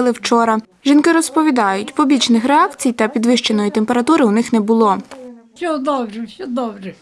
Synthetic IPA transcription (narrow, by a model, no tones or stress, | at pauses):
lˠɪwt͡ʃɔɾɐ | ʒinkɪɾɔspɔʋʲid̪ɑjʊtʲpɔbʲit͡ʃnɪxɾeɑkt͡sʲijt̪ɐpʲid̪ʋɪʃt͡ʃenɔjit̪empe̞ɾɐt̪uɾɪʊnɪxnɛbʊlˠɔsʲɔd̪ɔbɾɛsʲɔd̪ɔbɾɛ